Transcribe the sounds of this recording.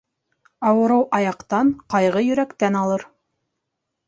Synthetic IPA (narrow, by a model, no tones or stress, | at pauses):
ɑwɤ̆ɾɤwʔɑjɑqt̪ɑɴqɑjʁɤjɵ̆ɾækt̪ænɑlˠɤɾ